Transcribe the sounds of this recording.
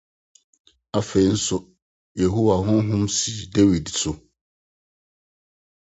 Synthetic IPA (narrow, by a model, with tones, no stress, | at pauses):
a˦fe˨i˦n̩˦sʊ˦ | je˨ɦu˦wa˨ɦʊ̃˦ɦʊ̃˦msi˨de˦wi˨dsʊ˨